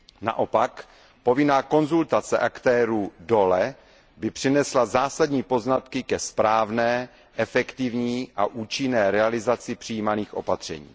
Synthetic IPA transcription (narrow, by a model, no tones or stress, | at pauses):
na̰ʔo̞pak | po̞vɪnaːko̞nzult̪at͡sɛʔakt̪ɛːɾuːdo̞lɛ | bɪpr̝̥ɪnɛslazaːsadɲiːpo̞znat̪kɪkɛspɾaːvnɛː | ʔɛfɛkt̪ɪvɲiːʔa̰ʔuːt͡ʃɪnɛːɾɛalɪzat͡sɪpr̝̥ijiːmaniːxʔo̞̰pat̪r̝̥ɛ̰ɲḭː